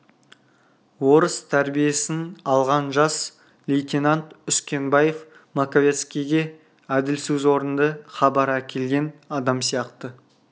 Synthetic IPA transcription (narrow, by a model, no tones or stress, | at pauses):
wo̞ɾəst̪ʰæɾbije̞sɪnɑlˠʁɑnʒɑs | lejt̪ʲenant̪ʏskʲe̞nbɑje̞f | makovʲe̞t̪skʲijɡʲe̞ | æd̪ɪlsɪzwo̞ɾənd̪əχɑbɑɾækʲʰe̞lɡʲe̞nɑd̪ɑmsijɑqt̪ə